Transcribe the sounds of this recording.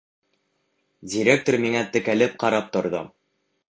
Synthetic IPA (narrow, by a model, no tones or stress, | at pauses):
dʲiɾʲek̚t̪ormiŋæt̪ɘ̆kælɘp̚qɑɾɑp̚t̪ŏɾðo̰